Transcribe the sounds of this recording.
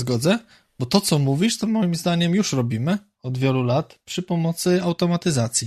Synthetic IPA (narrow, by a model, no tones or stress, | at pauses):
ɡɔd̪zɛ | bɔt̪ɔt̪sɔmuvʲiʂt̪ɔmɔjimzd̪aɲɛmjuʂɾɔbʲimɘ | ɔd̪vʲjɛlulat̪pʂɘpɔmɔt̪sɘawt̪ɔmat̪ɘzat̪sʲji